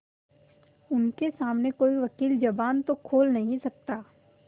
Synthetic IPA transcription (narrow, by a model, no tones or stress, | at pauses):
ʊnkesaːmnekoːiʋɐkiːld͡ʒɐbaːnt̪okʰoːlnɐɦĩsɐk̚t̪aː